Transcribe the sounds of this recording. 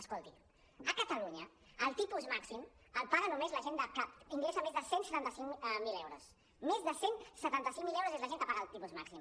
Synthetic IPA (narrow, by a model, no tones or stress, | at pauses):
əskolˠt̪i | əkət̪əluɲə | əlˠt̪ipuzmaksiməlpaɣənumezləʒend̪əkapiŋɡlezamezðəsensət̪ant̪əsiŋmilewɾos | mezðəsensət̪ant̪əsiŋmilɛwɾozezləʒenk̪əpaɣəlˠt̪ipuzmaksim